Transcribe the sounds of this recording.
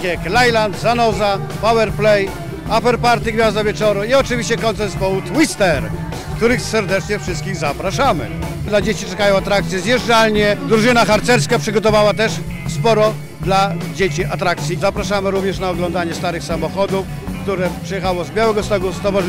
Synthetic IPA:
ɛklajlant̪zanɔza | pawɛɾplɛj | afɛɾpaɾt̪iɡvʲjazd̪avʲjɛt͡ʂɔɾuiɔt͡ʂɨvʲiɕt͡ɕɛkɔnt̪sɛɾt̪spɔwut̪wist̪ɛɾ | kt̪uɾɘxsɛɾd̪ɛt͡ʂɲɛfʂɘst̪kʲiɣzapɾaʂamɘ̰ | d̪lad͡ʑet͡ɕit͡ʂɛkajɔ̃w̃at̪ɾak̚t̪sʲjɛzjɛʐd͡ʐalɲɛd̪ɾuʐɘnaxaɾt̪sɛɾskapʂɨɡɔt̪ɔvawat̪ɛʂ | spɔɾɔ | d̪lad͡ʑet͡ɕiʔat̪ɾakt̪sʲjizapɾaʂamɘɾuvɲɛʂnaɔɡlɔnd̪aɲɛst̪aɾɘxsamɔxɔd̪uf | kt̪uɾɛpʂɛjɛxawɔzbʲjawɛɡɔst̪ɔɡɔst̪ɔvaʐ

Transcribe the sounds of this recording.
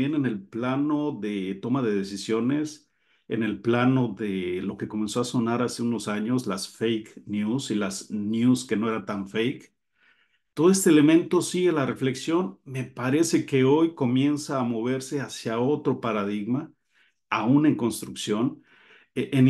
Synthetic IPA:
je̞ne̞ne̞lplanoðet̪o̞maðe̞ðe̞sisjo̞ne̞s | ḛne̞lplano̞ðelo̞ke̞ko̞me̞nsoaso̞naɾase̞uno̞saɲo̞slasfejknjusilaznjuske̞no̞e̞ɾat̪aɱfejk | t̪oðoest̪ele̞mẽ̞nt̪o̞siɣe̞lare̞fle̞ksjo̞nme̞paɾe̞se̞ke̞o̞jko̞mje̞nsaːmo̞β̞e̞ɾse̞asjao̞t̪ɾo̞paɾað̞iɣma | aune̞ŋko̞nst̪ɾuksjo̞n | eʔen

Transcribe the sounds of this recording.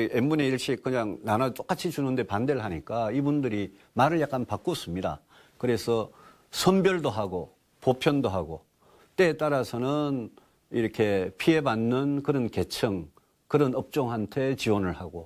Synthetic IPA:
ʔemːune̞iɭɕ͈ikɯɲaŋnanat͡ɕ͈ok͈at͡ɕʰit͡ɕunɯnde̞pande̞ɭɦaɲik͈aibundɯɾi | maɾɯɭjak͈anpak͈os͈ɯmɲida̰ | kɯɾe̞sʰʌ | sʰʌmbjʌɭdoɦaɡo | popʰjʌndoɦaɡo | t͈e̞ːt͈aɾasʰʌnɯn | iɾʌkʰe̞pʰie̞banːɯnkɯɾʌnke̞t͡ɕʰɯŋ | kɯɾʌnʌp̚t͡ɕ͈oŋɦantʰe̞t͡ɕiwʌnɯɭhaɡo̰

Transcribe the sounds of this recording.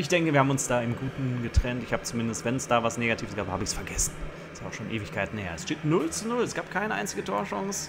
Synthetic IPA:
ʔɪçd̥ɛŋkəviɐhːbm̩ʊnsd̥aːɪmɡuːtn̩ɡətʁ̥ɛntɪçhaːbət͡sumɪndəstvɛnɛsd̥aːvasneːɡatʰiːəsɡ̥aːbəhaːbəɪçsfɛɐɡɛsn̩ | ɛsaʊxʃoːnʔeːvɪçkʰaɪtn̩heːɐɛsʃteːtnʊlt͡sunʊlɛsɡ̥aːp̚kʰaɪnəʔa̰ɪnt͡sɪɡətʰoːɐʃɔŋs

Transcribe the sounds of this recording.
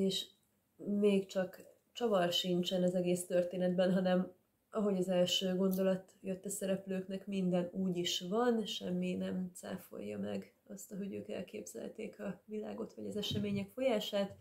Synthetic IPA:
eːʃ | meːkt͡ʃɒk | t͡ʃɒvɒrʃint͡ʃɛnɒzɛɡeːst̪ø̞rt̪eːnɛd̪̚bɛnɦɒnɛm | ɒɦo̞ɟɒzɛlʃøːɡo̞nd̪o̞lɒt̪jøt̪ːɛsɛɾɛpløːknɛkmind̪ɛnuːɟiʃvɒnʃɛmːinɛmt̪sa̰ːfo̞̰jːɒ̰mɛ̰ɡ | ɒst̪ɒɦo̞ɟø̰ːkɛ̰lkḛːbz̥ɛ̰lt̪eːkʰɒvila̰ːɡo̞t̪ʋɒɟɒzɛʃɛmeːɲɛkfo̞jaːʃaːt̪

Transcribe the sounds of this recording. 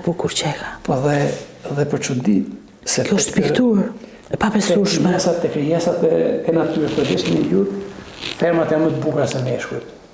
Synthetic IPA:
bukuɾt͡ɕɛxaɛðɛðɛpəɾt͡ʃund̪i | sɛɔʃt̪pikt̪uɾ | papɛsuʃmɛɛsat̪ːɛkɾijɛsat̪ɛkɛnat̪yɾəp̪əɾd̪ɛsmɛjut̪fɛɾmat̪janmət̪əbukɾasɛmɛʃkujt̪

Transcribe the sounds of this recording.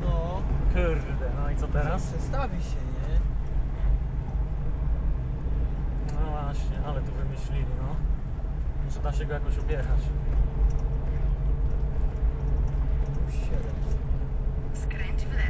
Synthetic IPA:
nɔkuɾd̪ɛnɔit̪sɔt̪ɛɾasɛst̪avʲiɕɛɲɛ | nɔvwaɕɲɛʔalɛt̪uvɘmɘɕlʲilʲinɔ | mut̪ʂɛd̪aɕɛɡɔjakɔɕubʲjɛɾat͡ɕ | uɕɛd̪ɛmsɛ | skɾɛɲt͡ɕi

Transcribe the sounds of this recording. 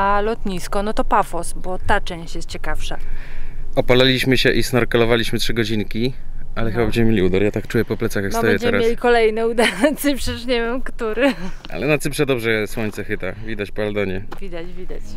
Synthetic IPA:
alɔt̪ɲiskɔnɔt̪ɔpafɔsbɔt̪at͡ʂɛ̃ɕt͡ɕjɛst̪̚t͡ɕɛkafʂa | ɔpalalʲiɕmɘɕɛʔisnɔɾkalɔvalʲiɕmɘtʂɘɡɔd͡ʑinkʲiʔalɛxɘbabɛɲd͡ʑɛmɘmʲjelʲiud̪aɾjat̪akt͡ʂujɛpɔplɛt̪saxjakfnɔb̪aɛjɛtɲd͡ʑɛɛmɾasmʲjelʲikɔlɛjnɛud̪aɾnat̪sɨpʂɛʂɲɛvʲɛmkt̪uɾɘʔa̰lɛnat̪sɘpʂɛd̪ɔbʐɛswɔɲt̪sɛxɘt̪avʲid̪at͡ɕpald̪ɔɲɛvʲid̪at͡ɕvʲid̪at͡ɕ

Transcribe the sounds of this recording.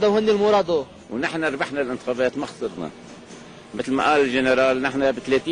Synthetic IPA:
d̪awhɪnːilmuɾɑd̪ˤu | wnɪħnaɾˤbaħnalʔɪnt̪ɪ̥xɑːbeːt̪maxsˤɨɾna̰ | mɪt̪lma̰ʔaːlɪlʒɪnɪɾˤɑːlnɪħnabɪt̪leːt̪iː

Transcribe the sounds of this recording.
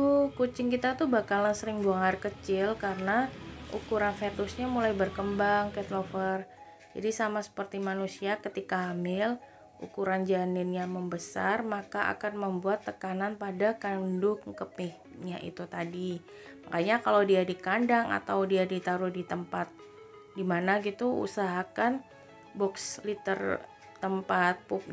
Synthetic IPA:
ukut͡ʃɪŋkit̪at̪ubakalansəɾɪŋbuaŋarkət͡ʃɪlkaɾənaʔṵkuɾanfet̪ʊsɲamulajbərkəmbaŋkɛt̪lofər | d͡ʒa̰disamasə̥pərt̪imanusiakət̪ikaːmɪl | ṵkuɾand͡ʒanɪnjaməmbəsarmakaʔa̰kanməmbuat̪ːəkananpadakandʊkkəpɪh | ɲaʔḭt̪ut̪adi | makaɲakalawdiadikandaŋa̰t̪awdiadit̪aɾʊhdit̪əmpat̪̚ | dimanaɡit̪uṵsaɦakan | bɔkslit̪ər | t̪əmpat̪̚pup̚

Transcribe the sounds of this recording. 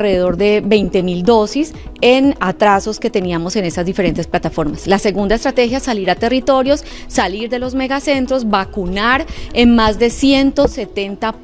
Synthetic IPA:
re̞ðeðo̞ɾd̪e̞be̞jnt̪e̞mild̪o̞sise̞nat̪ɾaso̞ske̞t̪e̞niamo̞se̞ne̞sazd̪ife̞ɾe̞nt̪e̞splat̪afo̞ɾmaslase̞ɣund̪aest̪ɾat̪e̞xjasaliɾat̪e̞rit̪o̞ɾjo̞sː | aliɾd̪e̞lo̞zme̞ɣase̞nt̪ɾo̞zbakunaɾe̞nmazd̪e̞sje̞nt̪ose̞t̪e̞nt̪a

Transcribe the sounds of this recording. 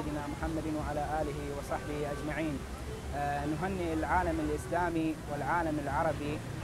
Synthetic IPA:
d̪ɪnamʊħamːad̪ɪnwaʕalaʔaːlɪɦiwɨsˤɑħbɪhʔad͡ʒmaʕiːn | nʊɦanːiɪlʕaːlamɪlʔɪslaːmiwɪlʕaːlamɪlʕɑɾˤɑbi

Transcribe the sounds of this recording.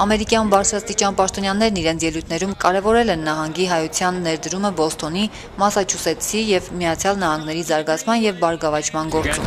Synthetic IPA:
ɑmɛɾikjɑnbɑɾt͡sʰɾɑst̪it͡ʃɑnpɑʃt̪ɔnjɑnɛɾniɾɛnt͡sʰjɛlujt̪ʰnɛɾumkɑɾɛvɔɾɛlɛnːɑɦɑŋɡiɦɑjut͡sʰjɑnːɛɾd̪əɾuməbɔlst̪ɔni | mɑsɑt͡ʃʰusɛt͡sʰijɛvmijɑt͡sʰjɑlnɑhɑŋɡnɛɾizɑɾɡɑt͡sʰmɑnjɛvbɑɾɡɑvɑt͡ʃʰmɑnɡɔɾt͡sṵm

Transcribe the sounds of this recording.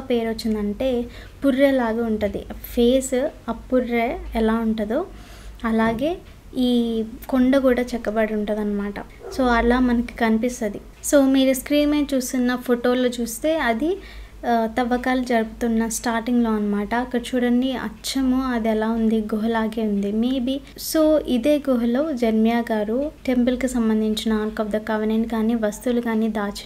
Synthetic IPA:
pe̞ːɾʋot͡ʃːind̪ɐɳʈe̞ːpuɾːeːlaːɡaːuɳʈud̪ḭpʰe̞ːsɐpːuɾːeɛlaːuɳʈud̪u | ɐlaːɡe̞ː | iːkoɳɖɐkuːɽaːt͡ʃɛkːɐbɐɽiuɳʈud̪ɐnːɐmaːʈɐ̰ | so̞ːɐlaːmɐnɐki̥kɐnipist̪ɐd̪i | soːmiːɾuskɾiːmeːt͡ʃuːst̪unːɐpʰoʈo̞ːloːt͡ʃuːst̪e̞ːɐd̪i | t̪ɐʋɐkaːlud͡ʒɐɾubut̪unːɐsʈaːɾʈiŋɡlo̞ːɐnːɐmaːʈɐːkːɐɽɐt͡ʃuːɽɐnːiɐ̰t͡ʃɐmuɐd̪iɛlaːund̪iɡoɦɐlaːɡeːund̪imeːbi | so̞ːʔid̪e̞ːɡoɦɐloːd͡ʒɐɾmijaːɡaːɾuʈe̞mpulkisɐmbɐnd̪ʱiɲt͡ʃinɐaːnkɐbd̪ɐkɐʋɐnenkaːniːʋɐst̪ulukaːniːd̪aːt͡ʃi̥

